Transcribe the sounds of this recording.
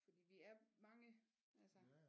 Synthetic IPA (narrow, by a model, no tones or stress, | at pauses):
fɒ̽d̥ḭːʋiæɐmɑ̈ŋə | ʔælsə